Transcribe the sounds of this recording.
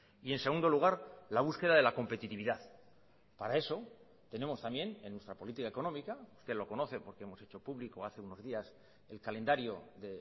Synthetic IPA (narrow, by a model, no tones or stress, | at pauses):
ie̞nse̞ɣund̪oluɣ̞aɾlaβ̞uske̞ðaðe̞lako̞mpe̞t̪it̪iβiðað | paɾae̞so̞ | t̪e̞ne̞mo̞st̪ambje̞nenːwest̪ɾapo̞lit̪ikaeko̞nomikaust̪elo̞kono̞θe̞po̞ɾkee̞mo̞set͡ʃo̞puβliko̞aθe̞uno̞zðias | e̞lkale̞nd̪aɾjo̞ðe̞